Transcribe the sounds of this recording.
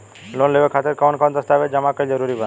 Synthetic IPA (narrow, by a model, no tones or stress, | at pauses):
lonleʋekʰat̪eɾkawnkãnt̪əst̪aʋed͡ʒəmakəid͡ʒəɾuɾibə